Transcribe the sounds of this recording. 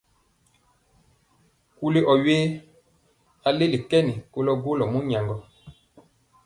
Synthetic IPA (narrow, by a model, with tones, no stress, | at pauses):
ku˦le˦ʔɔ˨ɥe˦ | a˦le˦le˨kɛ˦ni˨ko˦lɔ˦ɡo˦lɔ˨mu˦ɲa˨ŋɡɔ˨